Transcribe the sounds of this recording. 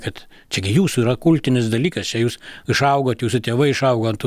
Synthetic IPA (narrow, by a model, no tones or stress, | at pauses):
kɐt̪ | t͡ʃʲɛɡʲɪjuːsuiːɾɐkʊlʲt̪ʲɪnʲɪsd̪ɐlʲiːkɐst͡ʃʲɛjuːsɪʃɐʊɡoːt̪juːsʊt̪ʲeːʋɐɪɪʃɐʊɡoːɐnt̪